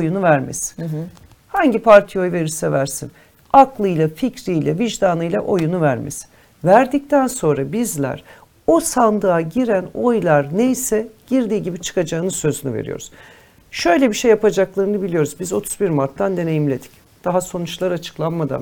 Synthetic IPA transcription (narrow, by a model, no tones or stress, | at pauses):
ojunuvæɾmɛ̰s | haɲɟipʰaɾt̪ʰijo̞jveɾisɛvæɾsin | aklˠɯjlˠaficɾijlʲɛviʒd̪aːnɯjlʲˠaʔo̞junuvæɾmḭs | væɾd̪ic̚t̪ʰænso̞nɾabizlʲæ̰ɾ̥ | o̞sand̪ɯaɟiɾæno̞jlˠaɾne̞jsɛɟ̥iɾd̪iːɟibit͡ʃʰɯ̥kad͡ʒaɯnɯzsø̞zynyveɾḭjo̰ɾu̥̰z̥ | ʃø̞jlʲebiʃejːapad͡ʒaklˠaɾɯnɯbilʲijo̞ɾuzbizo̞t̪ʰu̥zbiɾmaɾt̪ʰːand̪e̞ne̞jimlʲe̞d̪i̥c | d̪̥aɦaso̞nut͡ʃlˠaɾat͡ʃʰɯ̥klˠanmad̪a̰m